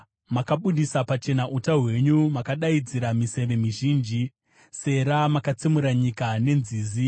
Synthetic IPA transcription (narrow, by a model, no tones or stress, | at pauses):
makaɓuɗisapat͡ʃe̞naʔutaɦwe̞ɲumakaɗaid͡ziɾamise̞ʋe̞miʒiːnd͡ʒi | se̞ɾamakat͡simuɾaɲikane̞nziːzi